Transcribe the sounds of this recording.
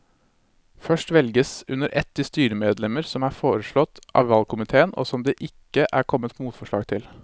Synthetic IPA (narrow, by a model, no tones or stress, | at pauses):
fœʂʈʋɛlɡəsʉnəɾʔɛt̪ːɪst̪yːɾəmeːd̪lɛməɾsɔmæːɾfoːɾəʂɭɔt̪ːʔɑ̰ːʋʋɑlkʰʊmɪt̪ʰeːəno̰sɔmd̪ɛːʔɪkːəʔæːɾkʰɔmːət̪muːt̪fɔʂɭɑːɡt̪ʰɪl